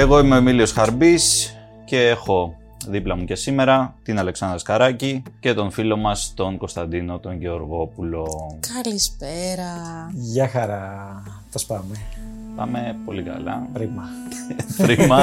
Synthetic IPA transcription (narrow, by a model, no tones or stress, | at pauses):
e̞ɣo̞ime̞omilio̞sxɐɾbis | ce̞exo̞ | ðiplɐmuce̞sime̞ɾɐt̪inɐle̞ksɐnd̪ɾɐskɐɾɐcice̞t̪o̞nfilo̞mɐst̪o̞ŋko̞st̪ɐnd̪ino̞t̪o̞ŋɟe̞o̞ɾɣo̞pulo̞kɐlispeɾɐʝɐxɐɾɐ | θɐspɐme | pɐ̰me̞po̞likɐ̰lɐ̰pɾimɐ | pɾimɐ